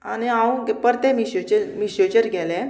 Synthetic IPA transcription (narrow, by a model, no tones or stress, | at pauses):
aniãwɡpəɾt̪ẽmiɕot͡ɕəmiɕot͡ɕəɾɡɛlɛ̃